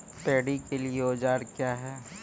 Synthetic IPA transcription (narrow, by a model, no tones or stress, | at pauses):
peːɽikelieoːd͡ʒaːɾkjaːɦɛː